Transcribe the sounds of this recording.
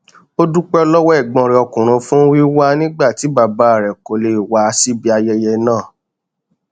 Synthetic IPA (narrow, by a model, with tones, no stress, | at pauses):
o˦du˦k͡pɛ˦ɔ˦lɔ˦wɛ˦˨ɡ͡bɔ̃˧ɾɛ˧˨ɔ˧kũ˨ɾ̃ũ˨˧fũ˦wi˦wa˦nĩ˦ɡ͡ba˦˨ti˨˦ba˧˨ba˨˦˨ɾɛ˨ko˨le˨i˨wa˨˦˧si˦bi˦a˧jɛ˧jɛ˧nãː˦˨